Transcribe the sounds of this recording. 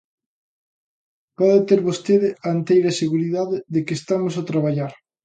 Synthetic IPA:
pɔðet̪eɾβost̪eðɪaent̪ejɾɐseɣuɾiðaðɪðekɪeːst̪amosat̪ɾaβaʎaɾ

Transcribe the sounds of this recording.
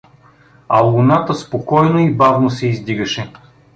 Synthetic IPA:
ɐlˠunat̪əspokɔjnoibavnosɛizd̪iɡɐʃɛ

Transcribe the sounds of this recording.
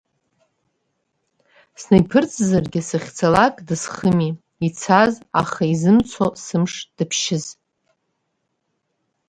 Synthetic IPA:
snejpʰɨrt͡sʼzarɡʲɪsɨχʲt͡sʰalakʼdɨsχəmi | it͡sʰaza̰χaizɨmt͡sʷʰosɨmʂd̥ɨpʰʃɪz

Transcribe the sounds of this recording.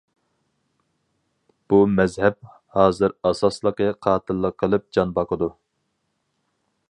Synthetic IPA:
b̥umɛzhɛp̚ | hɑːzɨɾɑsɑslˠəqəqʰɑːt̪ʰɨlˠːəqʰːəlˠɨp̚d͡ʒɑnbɑqʰəd̪u

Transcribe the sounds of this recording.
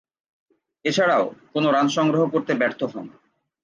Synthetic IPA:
et͡ɕʰaɽaokonoɾanʃɔŋɡɾoɦokoɾt̪ebɛɾt̪ʰoɦɔn

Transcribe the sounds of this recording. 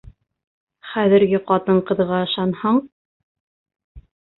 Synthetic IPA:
χæðɘ̆ɾɡɘqɑt̪ɤɴqɤ̆ðʁɑɤ̆ʃɑnhɑɴ

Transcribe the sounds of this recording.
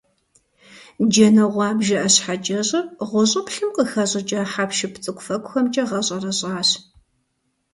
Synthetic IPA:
d͡ʒɐnɐʁʷɑːbʒɐʔɐɕħad͡ʒʼɐɕʼɐʁʷʊɕʼɐpɬɨmqəxɐɕʼɪt͡ʃʼɐħapʃɪpt͡sʼɨkʷʼʊfɐkʷʊxɐmt͡ʃʼɐʁɐɕʼɐrɐɕʼɑːɕ

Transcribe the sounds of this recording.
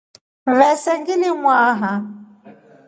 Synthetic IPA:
vɛsɛŋɡɪlɪŋwaːɦa

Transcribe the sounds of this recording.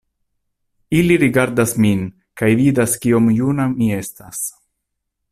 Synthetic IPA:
iliɾiɡaɾdasmin | kajvidaskio̞mjunamie̞stas

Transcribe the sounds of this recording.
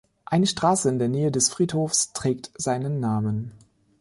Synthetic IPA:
ʔaɪnəʃtʁ̥aːsəɪndeːɐneːədɛsfʁ̥iːthoːfstʁ̥ɛːk̚tz̥aɪnənːaːmən

